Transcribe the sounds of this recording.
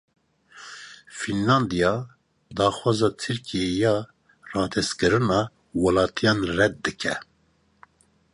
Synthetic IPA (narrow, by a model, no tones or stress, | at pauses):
finlɑnd̪ijɑ | d̪ɑːxwɑːzɑːt̪ʰɨɾkʰijejɑː | rɑːt̪ʰɛskɨɾɨnɑː | walɑːt̪ʰijɑːnrɛd̪̚d̪ɨkʰɛ